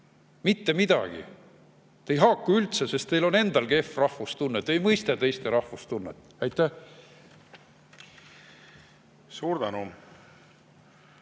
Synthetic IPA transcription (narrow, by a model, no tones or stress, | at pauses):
mit̪ːe̞mid̪̥ɑ̰ɡ̥ḭ | t̪e̞jɦɑkːuylt̪sese̞st̪e̞jlo̞ne̞nd̪̥ɑlɡe̞frɑhfust̪unːet̪ːˑejmɤjst̪ɑt̪e̞jst̪eɾɑhfust̪unːḛt̪ːˑ | æjt̪ːˑæh | suːɾd̪ɑnu